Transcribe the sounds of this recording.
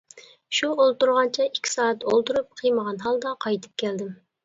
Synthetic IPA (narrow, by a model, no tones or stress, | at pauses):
ʃuolˠt̪uɾʁɑnt͡ʃʰɛikʲʰːi̥sɑːɑt̪olˠt̪uɾup̚qʰɨjməʁɑnɦɑlˠd̪ɑqʰɑjt̪ʰɨ̥p̚kʲʰɛld̪ɪm